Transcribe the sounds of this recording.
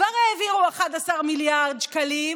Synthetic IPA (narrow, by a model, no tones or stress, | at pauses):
vaʁeːviʁuaχad̪asaʁmiljaʁd̪ʃkalim